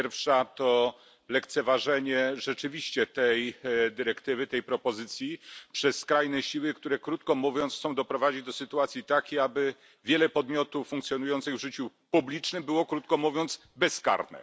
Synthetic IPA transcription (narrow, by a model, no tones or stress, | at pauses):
ɛɾfʂat̪ɔ | lɛkt̪sɛvaʐɛɲɛʐɛt͡ʂɘvʲiɕt͡ɕɛt̪ɛjd̪ɘɾɛkt̪ɘvɘt̪ɛjpɾɔpɔzɘt̪sʲjipʂɛskɾajnɛɕiwɘk̚t̪uɾɛkɾut̪kɔmuvʲjɔnt̪ssɔ̃w̃d̪ɔpɾɔvad͡ʑid͡ʑd̪ɔsɘt̪uat̪sʲjit̪akʲejabɘ | vʲjɛlɛpɔd̪mʲjɔt̪ufːuŋk̚t̪sʲjɔnujɔnt̪sɘɣvʐɘt͡ɕu | publʲit͡ʂnɘmbɘwɔkɾut̪̚kɔmuvʲjɔnt̪s | bɛska̰ɾnɛ̰